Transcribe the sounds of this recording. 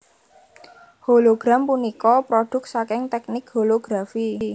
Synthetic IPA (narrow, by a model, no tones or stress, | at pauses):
holoɡ̥ɾampunikɔpɾoɖ̥ʊ̤k̚sakɪŋt̪ɛk̚nɪk̚holoɡ̥ɾafi